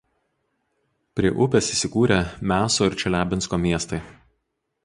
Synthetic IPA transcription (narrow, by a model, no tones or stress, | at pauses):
pʲɾʲiɛʔʊpʲɛsiːsʲɪkuːɾʲemʲæːsoːɪɾʲt͡ʃʲɛlʲæːbʲɪnskoːmʲiɛst̪ɐɪ